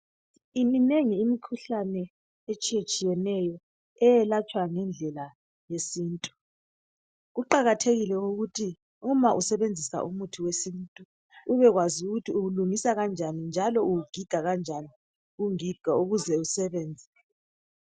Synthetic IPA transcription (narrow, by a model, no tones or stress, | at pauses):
imineŋiːmikʰuɬanɛ | et͡ʃʼiet͡ʃʼijɛnɛjɔ | ɛjɛlat͡ʃʼwaŋɛnd͡ɮʱɛla | jesiːntʼu̥ | ɣuǃaɣatʰeɣilɛuɣutʰi | umaʔusɛβend͡zʱisa̰ʔṵmutʰiwesintʼu | uβɛɣwazuɣutʰiuɣuluŋisaɣand͡ʒʱanind͡ʒʱalɔuuɡ̥ʱiɡ̥ʱaɣand͡ʒʱani | uŋiɡ̥ʱauɣuzɛusɛβɛːnd͡zʱɛ